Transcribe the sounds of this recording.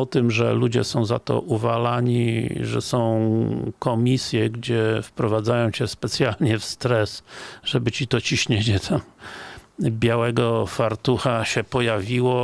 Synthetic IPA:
ɔt̪ɘmʐɛlud͡ʑɛ̰sɔ̃w̃za̰t̪ɔ̰ʔuvalaɲiʐɛ̰sɔ̃w̃kɔmʲisʲjɛɡd͡ʑɛfpɾɔvad̪zajɔ̃w̃t͡ɕɛspɛt̪sʲjalɲɛfst̪ɾɛsʐ̥ɛbɘt͡ɕit̪ɔt͡ɕiɕɲeɲɛt̪ʰam | bʲjawɛɡɔfaɾt̪uxaɕɛpɔjavʲiwɔ

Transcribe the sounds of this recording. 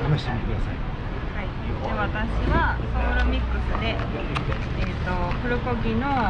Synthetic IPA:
anaɕi̥t̪emʲit̪ekɯd̪asaḭ | hai | deβat̪aɕiβasoːɾomʲikːɯ̟sɨd̪e̞ | eːt̪oɸɯ̟ɾɯ̟ko̞ɡʲino̞

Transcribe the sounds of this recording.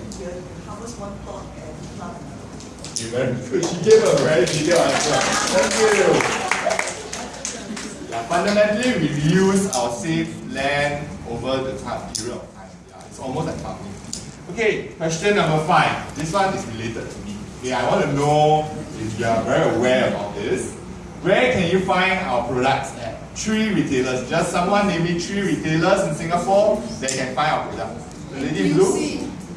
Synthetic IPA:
habɔswɔ̃npɔ | ɛ | a | evɛ̃nʃiɡevəɹɛɹibidiɔ̃nəplãi | jafãndəmɛ̃ntəliwijusa̰wəseflɛ̃nʔovədətʰãppiɹiɔ̰ftʰãɪ̃m | a̰ḭtsɔlmostɛ̃nfã̰mli | okekwɛstə̃nːãmbəfaɪvdɪswãnisɹiletəd̚tʰːumiokʰeaɪwɔ̃ntunoifjuavɛɹiəwɛəbaʊt̚dɪs | wɛkʰɛ̃njufãɪ̃na̰ʊəpʰɹodək̚ts | tʰɹiɹiteləsd͡ʒasːãmwãnmebitʰɹiɹiteləsĩnsɪ̃ŋəpɔdɛkɛ̃nfãɪ̃nap̚ɹodak̚s | lediilui

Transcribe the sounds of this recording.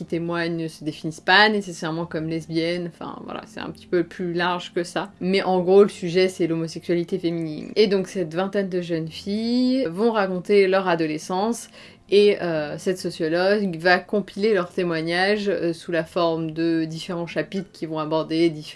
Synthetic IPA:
kʲit̪emwaɲnəsəd̪efinispanesesɛʁmɑ̃kɔmlɛzbjɛnɑ̃fɛ̰̃vwa̰la̰sɛt̪ɛ̰̃pət̪i̥pøplylaʁʒkəsamɛʔɑ̃ɡʁoləsyʒɛsɛlomosɛksɥalit̪efeminḭned̪ɔ̃ksɛt̪vɛ̃t̪ɛnd̪əʒœnfijvɔ̃ʁakɔ̃t̪elœʁad̪ɔlesɑ̃s | eøsɛt̪sɔsjɔlɔɡvakɔ̃pilelœʁt̪emwaɲaʒsulafɔʁmd̪əd̪ifeʁɑ̃ʃapit̪χkʲivɔ̃abɔʁd̪ed̪if

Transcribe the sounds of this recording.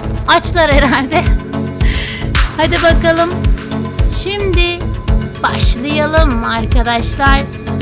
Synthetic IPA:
at͡ʃlˠaɾeɾælʲd̪ɛ | had̪ibakalˠɯm | ʃimd̪ɪb̥aʃlˠajalˠɯmaɾkad̪aʃlˠaɾ

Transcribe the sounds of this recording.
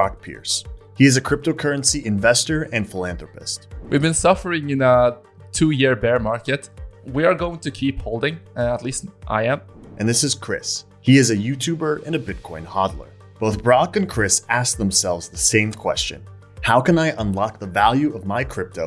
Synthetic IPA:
bɹɑk̚pʰɪ̰ɹshiɨzɨkʰɹ̥ɪp̚toʊkʰɜ˞ɨ̃nsiʔɨ̃ɱvɛstə˞ɨ̃nfəlæ̃nθɹəpɨ̰st̚wʔivbɨ̃nsʌfə˞ɪ̃ŋɨ̃nə | tʰʉjɪɹbɛɹmɑɹkɨtwiə˞ɡoʊɪ̃ŋtʰɨkʰiphoʊlˠdɪ̃ŋətˡlistʔa̰ɪɨ̃mʔɨ̃nðɪsɨz̥kʰɹ̥ɪ̰s | hiɨzɨjʉtʰʉbə˞ʔɨ̃nɨbɪt̚kʰɔ̃ɪ̃nhɑdˡl̩ˠə̰˞ | b̥oʊθb̥ɹɑkɨ̃nkʰɹ̥ɪsæsk̚ðə̃m̩sɛlˠvzðəsẽɪ̃mkʰw̥ɛ̰st͡ʃɨ̰̃n | haʊkɨ̃naɪʔə̃nlɑk̚ðəvælˠjʉʌvmaɪkʰɹ̥ɪp̚tʰoʊ

